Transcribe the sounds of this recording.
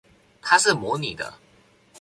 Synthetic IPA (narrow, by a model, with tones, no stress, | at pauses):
t̪ʰa˥ʂɻ̩˥˩mɔ˧˥ni˨˩d̪ə̰˦